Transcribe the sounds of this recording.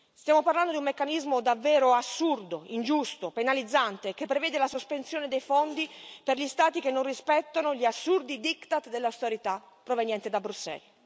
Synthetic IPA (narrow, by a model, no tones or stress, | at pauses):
st̪jaːmoparland̪od̪umːekːanizmod̪avːɛːɾoasːurd̪oind͡ʒust̪openalid̪zːant̪ek̟epːɾevɛːd̪elasospensjoːned̪ejfond̪iperʎist̪aːt̪ikenːonrispɛt̪ːonoʎiasːurd̪id̪ikt̪at̪d̪elːawst̪eɾit̪a | pːɾovenjɛnt̪ed̪abɾusːɛ̰l